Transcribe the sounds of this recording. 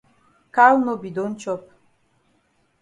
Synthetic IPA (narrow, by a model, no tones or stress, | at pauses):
kʰalnɔbid̪ɔnt͡ʃʰɔp̚ʰ